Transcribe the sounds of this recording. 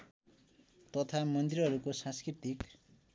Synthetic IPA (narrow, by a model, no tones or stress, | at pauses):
t̪ʌt̪ʰamʌnd̪irɦʌɾukosãskrit̪ik